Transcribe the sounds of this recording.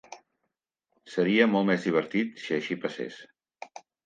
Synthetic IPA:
səɾiəmɔlˠmɛzðiβ̞əɾt̪it̪siəʃipəsḛs

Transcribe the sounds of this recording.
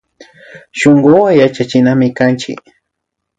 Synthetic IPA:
ʃoŋɢowajat͡ʃat͡ʃɪnamɪkant͡ʃɪ̰k

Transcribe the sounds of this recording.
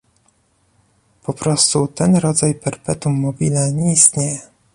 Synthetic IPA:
pɔpɾɔst̪ut̪ɛnɾɔd̪zajpɛɾpɛt̪umːɔbʲilɛɲɛist̪ɲejɛ

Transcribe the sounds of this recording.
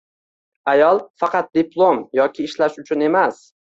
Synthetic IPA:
ajɒlˠfɑqʰɑt̪̚d̪ɪpʰlˠomjɒkʲʰɪːʃlaʃʊt͡ʃʰʊne̞mas

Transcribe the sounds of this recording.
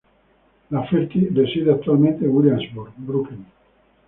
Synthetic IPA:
lafeɾk̪idesiðeak̚t̪ualmẽnt̪ewiljanzbuɾbɾukin

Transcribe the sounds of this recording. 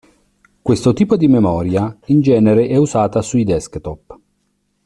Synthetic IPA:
kwest̪ot̪iːpod̪imemɔːɾjaind͡ʒɛːneɾeʔɛuzaːt̪asuid̪ɛskt̪ɔpː

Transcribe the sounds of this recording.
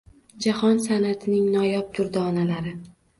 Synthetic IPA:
d͡ʒahɒnsanat̪ʰɪnɪŋnɒjɒp̚t̪ʰʊɾd̪aɒnalaɾɪ

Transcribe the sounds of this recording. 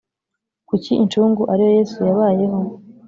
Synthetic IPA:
kuciʔint͡ʃuːŋɡuʔaɾijo̞je̞ːsujaβaːje̞ɦo̞

